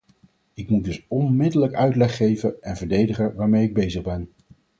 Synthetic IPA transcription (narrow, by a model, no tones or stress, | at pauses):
ɪkmudɵsɔnmɪdələkœɥtlɛχːejvəʔɛnvəɹdejdəχəʋaːɹmejɪɡ̚bejzəχbɛn